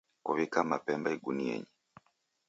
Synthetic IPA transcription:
kuβikamapɛmbaiɡuniɛ̰ɲi

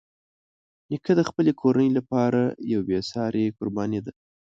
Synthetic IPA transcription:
nɪkʰad̪əxpəlekʰoɾanəjlapɑɾajawbesɑɾekʊɾbɑned̪a

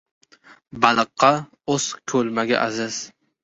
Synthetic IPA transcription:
balɨqʰːɑ | oskʰɵlmaɡʲa̰ʔazɪz̥

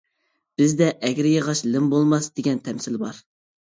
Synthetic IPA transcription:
b̥ɪzd̪ɛʔɛɡʲɾɪjəʁɑʃlɪmbolˠmɑsd̪eɡʲɛnt̪ʰɛmsɪlbɑɾ

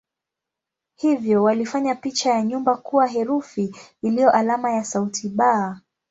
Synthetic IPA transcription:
hivjɔwalifaɲapit͡ʃajaɲumbakuwaɦɛɾufiːlijɔʔalamajasautʰiɓaː

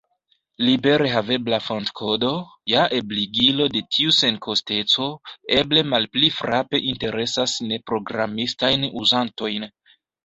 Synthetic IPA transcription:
libe̞ɾeɦave̞blafontkʰo̞do̞ | jaʔe̞bliɡilo̞de̞tʰiuse̞nkʰo̞ste̞t͡so̞eble̞malplifɾape̞ʔinte̞ɾe̞sasne̞pɾo̞ɡɾamistajnuzanto̞jn

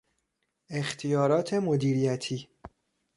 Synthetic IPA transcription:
e̞xt̪ʰijɒːɾɒːt̪ʰe̞mod̪iːɾijæt̪ʰiː

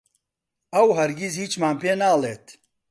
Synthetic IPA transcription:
ɐwɦɐɾɡizhiːt͡ʃmaːnpʰeːnaːleːt̪

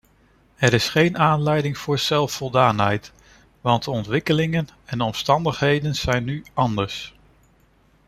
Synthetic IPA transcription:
ɛɾɪsχejnaːnlɛjdɪŋv̥ʊːɹz̥ɛlˠfɔlˠdaːnɦɛjt | ʋɑnddəɔntʋɪkəlɪŋənɛndɔmstɑndəχɦejdənz̥ɛjnːyɑndəɹs

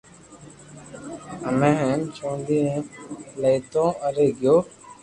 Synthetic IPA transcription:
əmẽɦə̃nt͡ʃʰõːnd̪ĩː | lejt̪õːəɾeːɡɪjoː

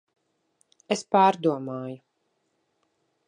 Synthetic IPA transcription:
espaːɾd̪uɔmaːju

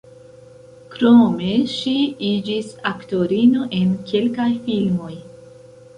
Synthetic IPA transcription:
kɾome̞ʃiid͡ʒisakto̞ɾino̞ʔe̞nkʰe̞lkajfilmo̞j

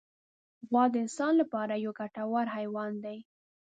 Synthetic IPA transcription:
ɣwɑd̪əɪnsɑnlapɑɾajaɡaʈawaɾhajwɑnd̪aj

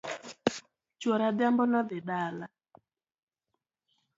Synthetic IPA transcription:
t͡ʃoɾad̪jambɔnɔd̪ɪdala

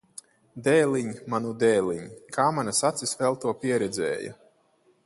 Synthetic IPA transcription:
d̪ɛːlˠiɲmanud̪ɛːlʲˠiɲkʰaːmanasat̪sisvɛlˠt̪uɔpʲiɛɾɛd̪zʲɛ̰ːja̰

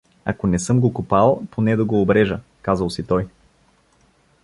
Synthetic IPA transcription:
a̰konɛsɤmɡokopalˠponɛd̪ɐɡoːbɾɛʒə | kazəlˠsit̪ɔj

